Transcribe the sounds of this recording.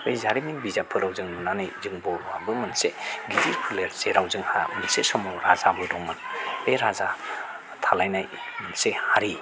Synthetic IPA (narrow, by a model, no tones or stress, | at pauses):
ɯjzaɾiminbizapʰɯɾawzɯŋnunanajzɯŋbɔwabɯmɯnseɡiditpʰɯleɾzeɾawzɯŋha̰mɯnsesɔmɔwɾazabɯdɔŋmɯnbeɾaza | tʰalajnajmɯnsehaɾi